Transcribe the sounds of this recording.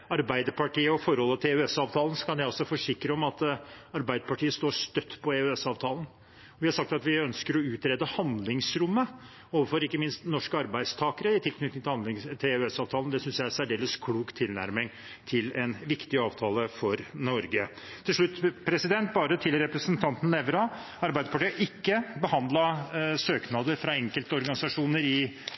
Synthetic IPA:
ɑɾbæɪd̪əpʰɑʈiːəɔfɔɾhɔlːət̪ʰɪʉɛsɑːʋt̪ʰɑːlən̩sɔ̥kʰɑnjæɪɔsːɔfɔʂɪkːɾəɔmɑt̪ɑɾbæɪd̪əpɑʈʰiːəst̪oːʂt̪œt̪ːpʰɔɛʉɛsɑːʋt̪ʰɑːlˠən̩ | ɔʋɪhɑɾʂɑk̚t̪ɑt̪ʋɪœnskəɾɔʉːt̪ɾɛːd̪əhɑnd̪lɪŋsɾʊmːə | oːʋəfɔɾɪkːəmɪnst̪nɔʂkəɑɾbæɪd̪st̪ʰɑːkəɾəɪt̪ʰɪlkʰnʏt̪ɪŋt̪ɪhɑnlɪŋt̪ʰɪʉɛsɑːʋt̪ʰɑːlnd̪ɛsʏnsjæɪæsæɖeːləskʰɽuːkt̪ʰɪlnæ̰ɾmɪŋ | t̪ʰɪlɛnʋɪkt̪ɪɑːʋt̪ʰɑːləfɔɾnɔɾɡə | t̪ʰːɪlʂɭʉt̪ːpʰɾɛsɪd̪ɛnt̪̚bɑːɾət̪ʰɪlɾɛpɾəsənt̪ʰɑnt̪n̩ɛʋɾɑ | ɑɾbæɪd̪əpʰɑʈiːəʔɪkːəbəhɑnd̪lɑsøːknɑːd̪əɾfɾɑɛŋkəlt̪əɔɾɡɑnɪsɑʂuːnəɾɪ

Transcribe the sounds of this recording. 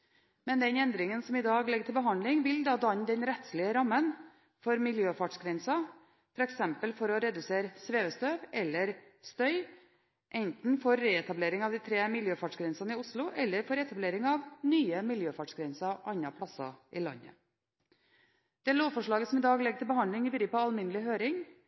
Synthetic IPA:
mɛnd̪ɛnɛnd̪ɾɪŋənsɔmiːd̪ɑːɡlɛɡəʈʰɪlbəɦɑnlɪŋʋɪld̪ɑːd̪ɑɲːd̪ɛnɾɛt̪slɪəɾɑmːən | fɔɾmɪljøːfɑʈʂɡɾɛnsɑ | fɔɾɛksɛmpəlfɔɾɔɾɛd̪ʉseːɾəsʋeːʋəst̪øːʋɛlːəɾst̪œʏ | ʔɛnt̪n̩foːɾːeːɛt̪ɑbleːɾɪŋɑʋd̪iːt̪ʰɾeːmɪljøːfɑːʈʂɡɾɛnsɑnəɪʊslʊʔɛlːəɾfoːɾɛt̪ɑbleːɾɪŋɑʋnyːəmɪljøːfɑːʈʂɡɾɛnsɑʔɑɲːɑpʰlɑsɑ̰ʔɪlɑ̰ɲːə̰ | d̪̥ɛːloːʋfɔʂɭɑːɡəsɔmɪːd̪ɑːɡlɛɡəʈ̪ʰɪlbəhɑndlɪŋɪbɾiːəpɔɑlmɪnəlɪɦøːɾɪŋ

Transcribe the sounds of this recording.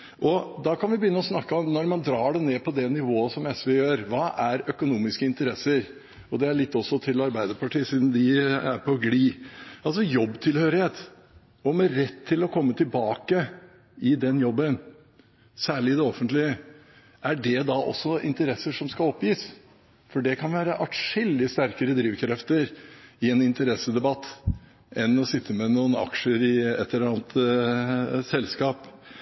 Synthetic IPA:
ʔɔd̪ɑkɑnʋɪbəjʏnːəɔsnɑkːəɔmnɔɾmɑnd̪ɾɑːɖɛneːpʰɔd̪ɛnɪʋoːəsɔmɛsʋɛjøːɾʋɑːʔæɾœkʊnuːmɪskəɪnt̪əɾɛsəɾ | ɔd̪ɛæɭɪt̪ːɔsːɔt̪ʰɪlɑɾbæɪd̪əɾpɑʈiːsiːd̪n̩d̪ɪæ̰ɾpʰɔɡliːɑls̬ɔjɔbːt̪ʰɪlhøːɾɪheːt̪ | ɔmɛɾɛt̪ʰːɪlɔkʰɔmːət̪ʰɪlbɑːkə | ɪd̪ɛnjɔbːən | sæːɭɪɪd̪ɛɔfənt̪lɪə | ʔæɖɛd̪ɑʔɔ̰sːɔɪ̰nt̪əɾɛsːəʂɔmskɑlɔpjiːs | fɔɖɛkʰɑnʋæːɾəʔɑʈʂɪld̪ɪst̪æɾkəɾəd̪ɾiːʋkʰɾɛft̪əɾɪɛnɪnt̪əɾɛsəd̪ɛbɑt̪ː | ɛnɔsɪt̪ʰːəmɛnuːənɑ̰kʂəɾɪɛ̰t̪ʰːəɾɑːnt̪ | sɛlskɑːp

